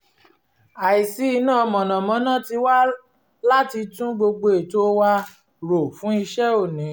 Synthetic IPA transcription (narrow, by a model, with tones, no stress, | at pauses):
a˨i˨si˨˦i˧nãː˦˧mɔ̃˨nã˨mɔ̃˨˦nã˦ti˧wa˦ | la˦ti˧tũ˦ɡ͡bo˧ɡ͡bo˧e˨to˦wa˧ | ɾo˨fũ˨˦i˧ʃɛ˦o˦˨nĩ˨˦